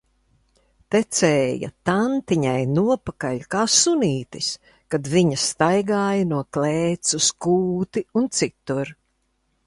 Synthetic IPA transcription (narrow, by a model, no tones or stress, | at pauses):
t̪ɛt̪sɛːjɐ̰t̪ant̪iɲajnuɔpakaʎʲkaːsuniːt̪is | kad̪viɲɐst̪ajɡaːjɐnuɔklɛːt̪suskuːt̪iunt̪sit̪uɾ